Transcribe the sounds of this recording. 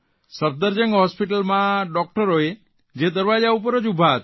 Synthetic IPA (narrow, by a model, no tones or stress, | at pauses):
səɾ̚d̪əɾd͡ʒəŋɡɦɔspiʈəlmãɖɔk̚ʈəɾoe | d͡ʒed̪əɾʋad͡ʒaupəɾəd͡ʒubʱaɦət̪